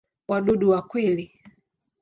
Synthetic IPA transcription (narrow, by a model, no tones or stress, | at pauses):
waɗuɗuwakwili